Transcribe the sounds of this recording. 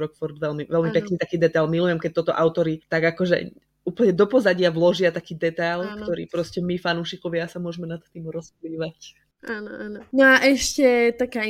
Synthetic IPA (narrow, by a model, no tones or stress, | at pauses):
ɾɔkfɔɾd̪ʋɛlmiʋɛlmipɛknit̪akiːd̪ɛt̪ajlmilujɛmkɛc̚t̪ɔt̪ɔʔaʊt̪ɔɾit̪aɡakɔʒɛ̰ | uːpl̩ɲɛd̪ɔpɔzaɟɪaʋlɔʒɪat̪akiːd̪ɛt̪ajlkt̪ɔɾḭːpɾɔscɛmifanuːʃikɔʋɪasamʊɔʒmɛnat̪t̪ːiːmɾɔspliːʋac | ʔaːnɔʔaːnɔnɔaʔɛʃcɛt̪akaː